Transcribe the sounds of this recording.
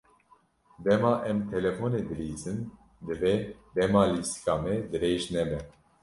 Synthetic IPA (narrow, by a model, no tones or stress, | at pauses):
d̪ɛmɑːʔɛmt̪ʰɛlɛfoːneːd̪ɨɾiːzɨn | d̪ɨvɛd̪ɛmɑːliːsi̥kɑːmɛd̪ɨɾeːʒnɛbɛ